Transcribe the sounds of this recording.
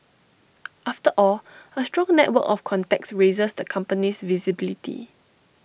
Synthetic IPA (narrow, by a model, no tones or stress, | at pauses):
ʔaftəʔɔləstɹɔ̃ŋnɛtwə̰kɔfkʰɔ̃ntɛk̚sɹezəsd̪əkʰãmpənisvizibilitʰḭ